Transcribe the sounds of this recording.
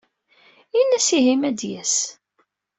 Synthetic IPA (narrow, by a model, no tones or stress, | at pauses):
inæsiɦimæd̪jæs